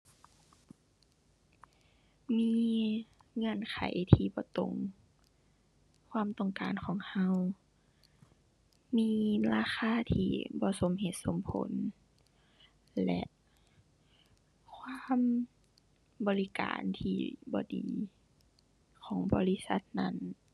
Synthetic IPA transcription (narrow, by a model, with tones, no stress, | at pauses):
miː˧˥˧ | ŋɤ˧˨nkʰa˨˩˦jt̪ʰiː˧bɔː˧˦t̪o˧˩ŋ | kʰwaː˧˥˨mt̪ɔ˧˨ŋkaː˨nkʰɔː˨˦ŋha˧˥w | miː˧˥laː˧xʰaː˧˥˨t̪ʰiː˧˩bɔː˧˦so˨˦mɦe˧˦t̪̚so˧˦mpʰo̰˨˦n | lɛ̰˧ʔ | kʰwaː˧˥˨m | bɔː˨˦li˦˧ka̰ː˨nt̪ʰiː˧bɔ̰ː˧˦dḭː˨ | kʰɔː˨˩˦ŋbɔ̰ː˧˦li˦˥sa˧˦t̪̚na˧˥˩n